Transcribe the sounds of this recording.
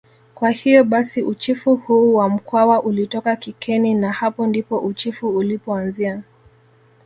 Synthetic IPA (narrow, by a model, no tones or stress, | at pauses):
kwahijɔɓasiʔut͡ʃifuhuːwam̩kwawaʔulitɔkakikʰɛninahapɔndipɔʔut͡ʃifuːlipɔanzia